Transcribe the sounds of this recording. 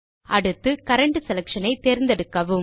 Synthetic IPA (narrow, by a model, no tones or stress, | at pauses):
ɐɽɯt̪ːɯkɐɾɐɳʈɯsɛlɐkʂɐnɐɪt̪ːeːɾɪnd̪ɐɽɯkːɐʋɯm